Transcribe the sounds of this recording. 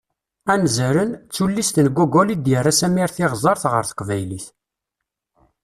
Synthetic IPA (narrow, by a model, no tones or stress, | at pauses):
ænzəɾənt͡sːulːist̪ənɡʷuɡɔlid̪jərːasæmiɾθɪʁzˤɑɾθʁə̰ɾθə̥qvæjliθ